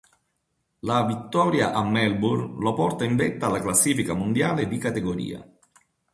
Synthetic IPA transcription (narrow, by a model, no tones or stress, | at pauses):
lavit̪ːɔːɾjaʔamːɛlburlopɔrt̪aiɱvɛt̪ːaːlːaklasːiːfikamond̪jaːled̪ikat̪eɡoɾḭːa̰